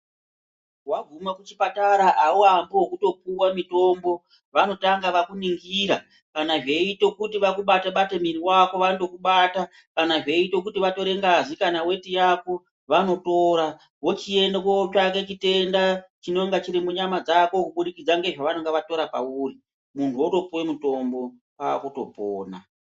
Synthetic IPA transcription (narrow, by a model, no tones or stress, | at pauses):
waɡʱumakut͡ʃipataɾaʔauambowokuto̞puwamito̞mbo̞ | ʋano̞taŋɡaʋakuniŋɡiːɾa | kanaʐe̞ito̞kutiʋakuɓataɓatemiriwako̞ʋando̞kuɓaːta | kanaʐe̞ito̞k̬utiʋato̞ɾe̞ŋɡaʐikanawe̞tijako̞ | ʋano̞to̞ɾa | wot͡ʃie̞ndakoot͡ʃaket͡ʃite̞ndat͡ʃino̞ŋɡat͡ʃiɾimuɲamad͡zako̞kuɓuɗikid͡zaŋɡe̞ʐaʋanoŋɡeʋato̞ɾapa̰uːri | muntʰuoto̞puwemito̞mbo̞ | pa̰ːkuto̞po̰ːna̰